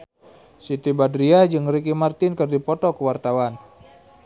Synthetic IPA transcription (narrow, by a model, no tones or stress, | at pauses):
sit̪ibadɾiad͡ʒɨŋrikimart̪ɪnkərdipɔt̪ɔkəwart̪awan